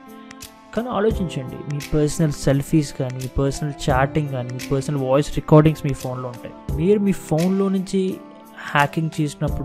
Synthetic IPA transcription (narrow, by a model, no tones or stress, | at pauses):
kaːniaːlo̞ːt͡ʃiɲt͡ʃɐɳɖḭmiːpɐɾsɐnɐlselpʰiːskaːnimiːpɐɾsɐnɐlt͡ʃaːɾʈiŋɡkaːniːmiːpɐɾsɐnɐlʋɔːjsɾɛkɔːɾɖiŋsmiːpʰo̞ːnlo̞ːuɳʈa̰ːjimiːɾumiːpʰo̞ːnlo̞ːnuɲt͡ʃi | haːkːiŋɡt͡ʃeːsunːɐpːuɽ